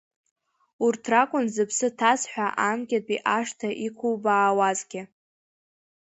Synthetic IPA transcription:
urtʰrakʷʼʊnzɨpʰsɨtʰasħʷᶣaʔamɡʲʼatʼiʔaʂtʰaʔikʷʰuwbaːwazɡʲɪ

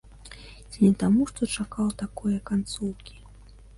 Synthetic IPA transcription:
nʲɛt̪amuʂt̪ɔt͡ʂakawt̪akɔjɐkant̪suwkʲi̥

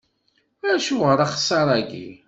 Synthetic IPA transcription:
æʃuʁəɾaχsˤːɑɾˤæɡḭ

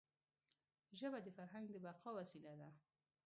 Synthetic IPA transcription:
ʒəbad̪əfaɾɦaŋɡd̪əbaqɑwasilad̪a

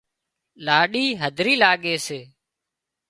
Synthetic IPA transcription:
laːɗiːɦəd̪ʱɾiːlaːɠeːseː

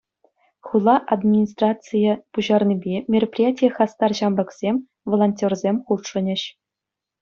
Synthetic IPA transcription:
χulˠɑʔad̪mʲinʲis̬t̪rɑt͡sɨjəpuʑɑrnʲibʲemʲerɐpʲrʲijatʲijəχɑst̪ɑrʑɑmlɤ̆ksʲemʲ | volˠonʲtʲorzʲemʲχut̪ʂɤ̆nʲɘ̆ɕ

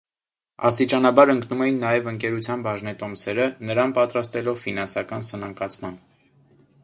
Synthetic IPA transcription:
ɑ̰st̪it͡ʃɑnɑbɑɾəŋknumɛjinːɑjɛvəŋkɛɾut͡sʰjɑnbɑʒnɛt̪ɔmsɛɾənəɾɑnpɑt̪ɾɑst̪ɛlɔvfinɑnsɑkɑnsənɑŋkɑt͡sʰmɑn

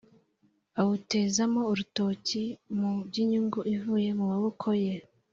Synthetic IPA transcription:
awute̞zamo̞uɾuto̞cimubɟiɲuŋɡuʔivuːje̞mumaβokʰoje

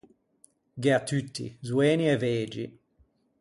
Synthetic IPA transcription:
ɡeat̪ːyt̪ːḭzweːniɛveːd͡ʒḭ

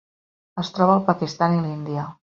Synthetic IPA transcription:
əst̪ɾɔβəːlˠpəkist̪anilind̪iə

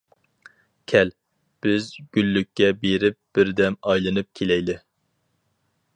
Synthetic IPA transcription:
kʲʰɛl | b̥ɪzɡʲylːykʲʰːɛbeɾɪp̚b̥ɪɾd̪ɛmɑjlˠɨnɨp̚kʲʰelɛjd̪ɪ

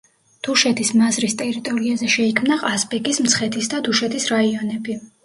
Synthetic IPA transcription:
d̪̥uʃɛt̪ʰismazɾist̪ʼɛɾit̪ʼɔɾiazɛʃɛikʰmnaqʼaspʼɛkʼismt̪sʰχɛt̪ʰisd̪ad̪uʃɛt̪ʰisɾaiɔnɛbi

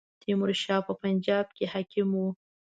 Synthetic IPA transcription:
t̪ʰimʊɾʃɑpəpand͡ʒɑb̚kehakʰɪmu

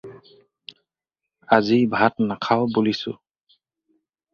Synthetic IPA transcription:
azibʱatnakʰawbulisʊ̰

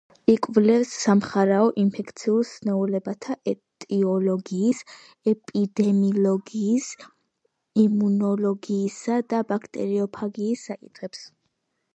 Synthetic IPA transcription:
ikʼvlɛfsːamχaɾaɔʔinpʰɛkʰt̪sʰiulsnɛulɛbat̪ʰaʔɛt̪ʼiɔlɔɡiːs | ɛpʼid̪ɛmilɔɡiːs | imunɔlɔɡiːsad̪abakʰt̪ʼɛ̰ɾiɔpʰaɡiːsːakʼit̪ʰχɛps

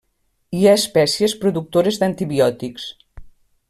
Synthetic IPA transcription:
iaespɛsiespɾuðuk̚t̪oɾezd̪ant̪iβiɔt̪iks

